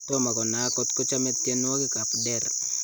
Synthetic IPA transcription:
tama˨kɔ˨na˨kɔt̪ko˦t͡ʃamɛtjɛn˦wa˦ki˦kap̚dɛr

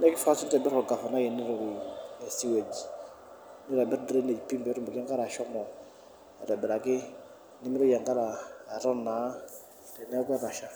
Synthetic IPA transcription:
nɛ˦kɪ˦fa˦su˦tɛ˨bɛ˦ɾɔ˨ɡa˨fa˨na˦jɛ˨ni˦ɾɔ˨ɾi˨ɛ˨si˦we˨d͡ʒi˨ | ni˦ɾa˨bɪ˦ɾdɾe˦ne˨d͡ʒi˨pi˦mbɛ˨˦ɾu˦mbɔ˨ka˦ŋɡa˦ɾa˨ʃɔ˦mɔ˨ | ɛ˨ɾɛ˨bɪ˨ɾa˨kɪ˦ | nɪ˦mɪ˦ɾɔ˦ja˨ŋɡa˦ɾaː˨ɾɔ˦na˨˦˨ | tɛ˨nɛ˦kɛ˦ɾa˨ʃa˦

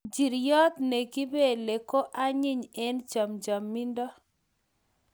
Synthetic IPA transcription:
d͡ʒi˨ɾjɔ˦t̪ne˨ki˦be˦˨le˨ko˦ʔa˦ɲɪ˦ɲɛ˦nt͡ʃa˨md͡ʒa˨mːi˦ndɔ˦

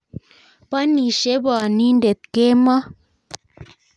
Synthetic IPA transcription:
pa˦ni˨ʃe˦ba˨ni˦nde˨t̪̚ke˦ma˦

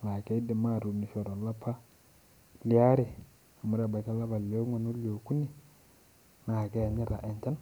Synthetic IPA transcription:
na˨ke˦i˦di˨ma˦˨ɾu˨ni˨ʃo˨ɾo˨la˦pʰa˦ | li˨a˦ɾe˨ | a˨mu˨˦ɾe˦˨ba˨ka˦la˦ba˨lo˦ŋo˨no˦lo˨ku˦ni˨ | na˨ke˦a˨ɲi˦ɾa̰˨ʔe˨nt͡ʃa˦n

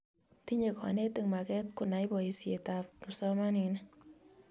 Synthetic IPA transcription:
ti˦ɲe˨kʰɔ̰˨ne˦te˧ŋma˨kɛ˦t̚ku˨na˨jbɔ˨i˨sje˨ta˨p̚ku˨psɔ˦ma˦ni˨na

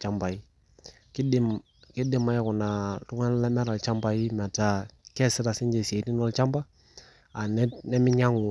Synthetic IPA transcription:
t͡ʃa˦mba˨i˦ | ki˦di˦m | ki˦dɪ˦ma˦jɛ˦ku˨na˨ɾu˦ŋa˦n˦lɛ˦mɛ˦ɾa˨lt͡ʃa˦mba˨ji˦mɛ˨ta˨kɛ˦sɪ˦ɾa˨si˦ɲd͡ʒe˨si˨e˨ti˦nɔ˦lt͡ʃa˦mba˦ | a˨nɛ˦nɛ˦mi˦ɲa˦ŋu˨

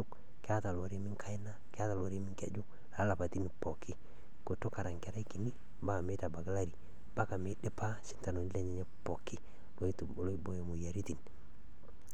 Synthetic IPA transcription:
ʊ˦k | kɪ˦a˦ta˨lo˨ɾi˦mɪ˦ŋkʰa˦ɪ˦na˦kɪ˦a˦ta˨lɔ˨ɾi˦mɪ˦ŋkḛ˨d͡ʒʊ˦ | la˨˦la˨pa˨ti˦ni˨pɔ˨kʰɪ˦ | ko˨to˦ka˨ɾa˨ŋkɛ˨ɾa˦i˦ki˨ni˦ | ba˦˨me˦ta˨ba˨ɡa˦la˦ɾi˨ | b̥a˦ka˨mɪ˨˦dɪ˦pa˦sɪ˦nta˨no˨ni˦lɛ˦ɲɛ˦ɲɛ˦pɔ˨kɪ˦ | lo˨˦i˦tu˨bo˨lo˦i˦bo˦je˨mu˨ja˨ɾi˦ti˨n

